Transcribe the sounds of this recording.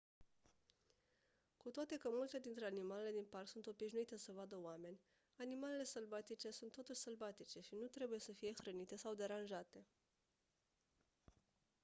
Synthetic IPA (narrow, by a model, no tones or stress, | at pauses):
kut̪oat̪e̞kəmult̪e̞d̪int̪ɾe̞animale̞le̞d̪inparksunt̪o̞biʃnuit̪e̞səvad̪əoame̞nʲ | animale̞le̞səlvat̪it͡ʃe̞sunt̪ːo̞t̪uʃʲsəlvat̪it͡ʃe̞ʃinut̪ɾe̞buje̞səfije̞xɾənit̪e̞sawd̪e̞ɾanʒat̪e̞